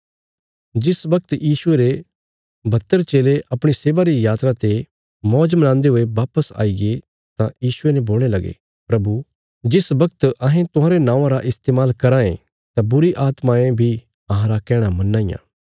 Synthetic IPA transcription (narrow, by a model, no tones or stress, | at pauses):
d͡ʒɪsbɐk̚t̪jiːsʊeɾe | bʱɐt̪ːəɾt͡ʃeːleʔɐpɽ̃iseːʋaɾijaːt̪ɾat̪e | mɔːd͡ʒmɐnãːnd̪eɦʊeʋaːpəsa̰ːiɡe | t̪ãjiːsʊenɛ̃boːlɽ̃elɐɡḛ | pɾɐbu | d͡ʒɪsbɐk̚t̪ɐɦẽt̪ʊɦãːɾenãːãɾaʔɪst̪eːmaːlkɐɾãḛ̃ | t̪ãbʊɾiʔaːt̪mãẽbʱi | ɐɦãɾakɛːɽ̃amɐnːaːijã̰ː